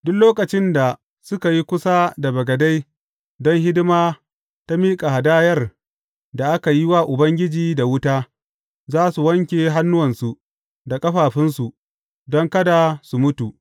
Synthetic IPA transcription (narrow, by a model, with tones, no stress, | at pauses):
dʊ˦kloː˦kɐ˨t͡ʃɪ˦nda˨ | sʊ˦ka˨ji˦kʷʊ˦sa˦da˨bɐ˨ɡɐ˨da˦j | dɔ˦ŋɦɪ˦dɪ˦maː˦ | ta˦miː˦kʼa˨ɦa˨daː˦jɐ˦r | da˨ʔa˦ka˨ji˦waː˦ʔʊ˨bɐ˦ŋɡʲɪ˦d͡ʒiː˨da˨wʊ˦taː˦ | zaː˦su˨wɐ˦ŋkʲeː˨ɦa˦nːʊ˦wɐ˨nsu˨ | da˨kʼɐ˦ɸaː˨ɸɪ˦nsu˨ | dɔ˦ŋkɐ˦da˨su˨mʊ˦tu˨ʔ